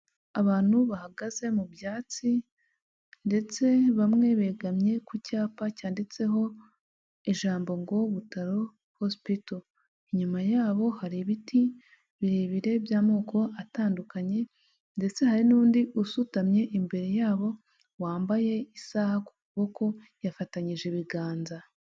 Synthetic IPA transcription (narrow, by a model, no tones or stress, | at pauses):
aβaːn̥huβahaɡaze̞mubjaːt͡si | nde̞t͡se̞βamŋe̞βeːɡamɲe̞kucaːpacaːndit͡se̞ɦo̞ | eʒaːmbo̞ŋɡo̞βutaɾo̞ | hospito | iɲumajaːβo̞haɾiβiti | βiɾeːβiɾe̞bjaːmo̞ːkʰo̞ʔataːndukaɲe̞ | nde̞t͡se̞haɾinuːndiʔusutamɲe̞ʔimbe̞ɾe̞jaːβo̞ | waːmbaje̞isahaku̥kuβo̞kʰo̞ | jafataɲiʒe̞βiɡaːnza